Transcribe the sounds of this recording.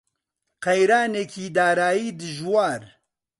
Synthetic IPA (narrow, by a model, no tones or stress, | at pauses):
qɐjɾaːneːkʰiːd̪aːɾaːjiːd̪ɨʒwaːɾ